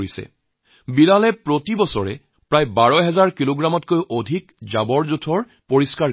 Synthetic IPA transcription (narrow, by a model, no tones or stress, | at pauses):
isɛ̰ | biɹalɛpɹotibɔsɔɹɛ̰ | pɹajbaɹɔjɦɛzaɹkiloɡɹamɔtkojʔodʱikzabɔɹzutʰɔɹ | poɹiska